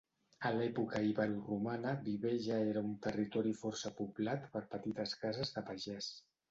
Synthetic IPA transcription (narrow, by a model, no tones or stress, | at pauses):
əlɛpukəiβəɾurumanəβiβeʒaeɾəunt̪ərit̪ɔɾifɔɾsəpuβlat̪pəɾpət̪it̪əskazəzðəpəʒɛs